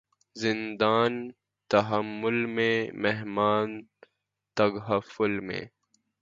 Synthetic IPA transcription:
zɪnd̪aːn | t̪ɐɦɐmːʊlmẽmeɦmaːn | t̪ɐɡɦɐfʊlmḛ̃

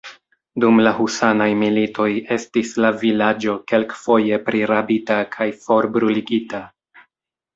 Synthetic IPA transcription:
dumlahusanajmilito̞je̞stislavilad͡ʒo̞ke̞lkfo̞je̞pɾʔiɾabitakʰajfo̞ɾbɾuliɡita

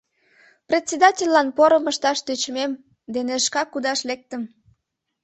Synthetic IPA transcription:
prʲet̪ʲsʲed̪ɑtʲelʲːɑnpoɾəməʃt̪ɑʃt̪yt͡ɕmem | d̪eneəʃkɑkud̪ɑʃlek̚t̪əm

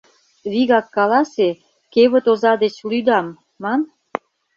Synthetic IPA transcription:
βiɣɑkːɑlɑse | keβə̆t̪ozɑd̪et͡ɕlyd̪ɑmː | ɑn

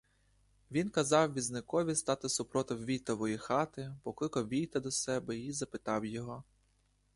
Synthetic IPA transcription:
ʋʲinkɐzɑwʋʲiznɪkɔʋʲist̪ɑt̪ɪsʊpɾɔt̪ɔwʋʲijt̪ɔʋɔjixɑt̪ɪpɔkˠɪkɔʋʲijt̪ɛd̪ɔsɛbɛizɐpɪt̪ɑwjɔɦɔ

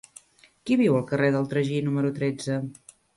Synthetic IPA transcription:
kiβiwəlˠkəreðəlˠt̪ɾəʒinuməɾut̪ɾed͡zə

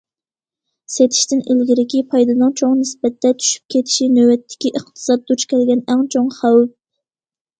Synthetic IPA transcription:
set̪ʰi̥ʃt̪ɪnʔilɡʲiɾɪkʲipʰɑjd̪ɨnɨŋt͡ʃʰoŋnɪsbɛt̪ːɛt̪ʰy̥ʃy̥p̚kʲʰet̪ʰi̥ʃinøwɛt̪ʰːɪ̥kʲiʔəχt̪ʰɨ̥sɑd̪̚ːut͡ʃkʲʰɛlɡʲɛnɛŋt͡ʃʰoŋχæw

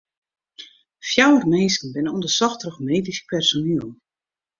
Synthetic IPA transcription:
fjawərmeːsən̩bɪnondəsɔxtrəχmeːdispɛrsonilˠ

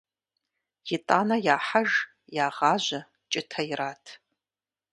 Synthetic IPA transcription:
jɪtʼaːnɐjaːħaʒ | jaːʁaːʒʷɐ | t͡ʃʼɪtʰɐiraːtʰ

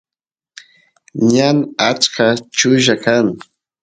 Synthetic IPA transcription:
ɲanat͡ʃkat͡ʃʊʒakaŋ

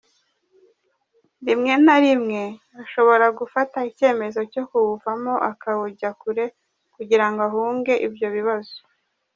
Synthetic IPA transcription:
dimŋe̞naɾimŋe̞ | aʃo̞βo̞ɾaɡufataice̞ːme̞zo̞co̞kuβuvamo̞ʔakaβuɟakuɾe̞ | kuɟiɾaŋɡoaɦuːŋɡe̞ʔibjo̞βiβazo̥

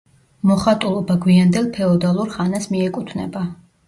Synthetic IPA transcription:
mɔχat̪ʼulˠɔbaɡwiand̪ɛlˠpʰɛɔd̪alˠuɾχanasmiɛkʼut̪ʰnɛ̰ba

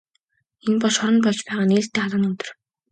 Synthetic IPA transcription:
enpɔʃɔɾə̆npɔɮt͡ɕpæːʁaːniːɮt̪ːeːaɮə̆nɵt̪ɵ̆r

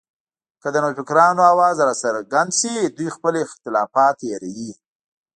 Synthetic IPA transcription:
kəd̪ənofɪkɾɑnoawɑzɾɑsaɾɡand̪sid̪ujxpəlɪxt̪ɪlɑfɑt̪jaɾaji

